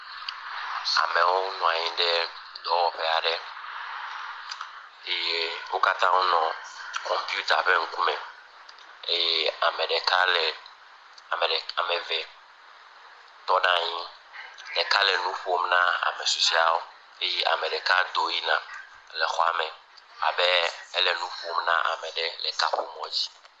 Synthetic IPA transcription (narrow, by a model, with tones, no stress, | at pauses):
a̰˨me˨wo˦nɔ̃˨a˨ɲĩ˦ɖɛ˦ | d̪ɔ˦wɔ˨ɸɛ˦a˨ɖɛ˦ | e˦je˦wo˦ka˦t̪ã˦wo˦nɔ̃˨kɔ̃˨mpi˦u˦t̪a˨ɸe˦ŋ̩˦ku˦mɛ̃˨ | e˦jɛ˦a˨mɛ̃˨ɖɛ˨ka˦lɛ˨ | mɛ˨a˨mɛ˨vɛ˨ | t̪ɔ˦nã˦ɲĩ˦ | lɛ˨ka˦lɛ˨nũ˦ɸo˨mnã˦a̰˨mɛ˨so˨si˦a˨wo˦ | e˦ji˦ʔa̰˨mɛ̃˨ɖɛ˨ka˦d̪o˦ji˦nã˨ | lɛ˨xɔ˦a̰˦mɛ̃˨ | a̰˨bɛ˦ɛ˦lɛ˨nũ˦ɸo˦mnã̰˦ʔa̰˨mɛ̃˨ɖɛ˦lɛ˨ka̰˦ɸo˦mɔ̃˨d͡ʑi̥˦